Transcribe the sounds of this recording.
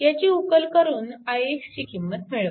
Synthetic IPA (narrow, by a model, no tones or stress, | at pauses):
jat͡ɕiːukəlkəɾuːnajekt͡ɕiːkimːət̪meɭə